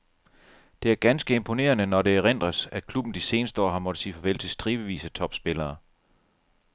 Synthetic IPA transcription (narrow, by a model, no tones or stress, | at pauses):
d̥e̝æɐɡ̥ænsɡ̥əe̝mpʰo̝ne̝̰ːɐnənɒɾe̝æʁen̰d̥ʁɐsækʰlub̥n̩d̥ise̝ːnəsd̥əɒ̰ːɦɑ̈mɒ̽d̥əsḭːfɒ̽ʋel̰səsd̥ʁiːʋəʋḭːsət͡sʰɒ̽b̥sb̥e̝lɐː